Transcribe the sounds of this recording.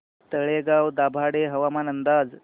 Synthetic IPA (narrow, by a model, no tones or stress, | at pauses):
t̪əɭeɡawd̪abʱaɽeɦəʋamanənd̪ad͡z